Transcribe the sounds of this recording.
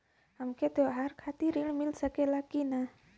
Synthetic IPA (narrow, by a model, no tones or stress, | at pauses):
amket̪eaɦarkʰat̪iɾilmilsakelakina